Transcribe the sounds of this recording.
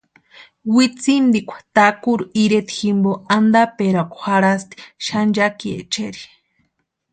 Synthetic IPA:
wit͡sind̪ikʷʰḁt̪akuɾuiɾet̪iximboand̪apeɾakʷxaɾast̪i̥ʃand͡ʒakiḛt͡ʃeɾi̥

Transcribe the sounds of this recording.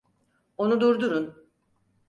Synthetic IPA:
o̞nud̪uɾd̪uɾun

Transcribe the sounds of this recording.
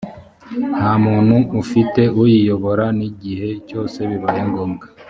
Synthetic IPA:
n̥haːmuːnhuʔːfite̞ʔujijo̞βo̞ɾaniɟihe̞co̞ːse̞βiβajeŋɡoːmɡa

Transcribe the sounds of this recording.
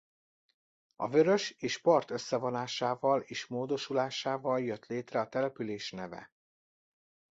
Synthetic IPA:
ɒ̰vø̞ɾø̞ʃeːʃpɒrt̪ø̞sːɛvo̞naːʃaːvɒleːʃmoːd̪o̞ʃulaːʃaːvɒljøt̪leːt̪rɛɒt̪ɛlɛpyleːʃnɛvɛ̰

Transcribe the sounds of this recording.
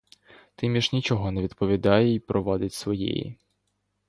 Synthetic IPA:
t̪ɪmʲiʒnʲit͡ʃɔɦɔnɛʋʲid̪pɔʋʲid̪ɑjɛipɾɔʋɑd̪ɪtʲsʋɔjɛ̰jḭ

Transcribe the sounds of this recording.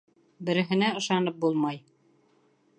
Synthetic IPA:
bɘ̆ɾɘ̆ɦɘ̆næɤ̆ʃɑnɤp̚bulˠmɑj

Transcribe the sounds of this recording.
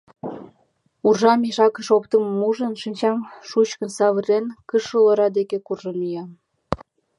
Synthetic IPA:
urʒɑmeʃɑkəʃop̚t̪əməmuʒənʃinʲt͡ɕɑmʃut͡ɕkənsɑβərenkəʃəloɾɑd̪ekekurʒənyjɑm

